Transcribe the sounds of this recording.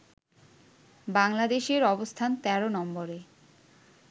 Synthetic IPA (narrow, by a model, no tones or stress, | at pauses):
baŋlad̪eʃeɾɔbost̪ʰant̪ɛɾonɔmboɾe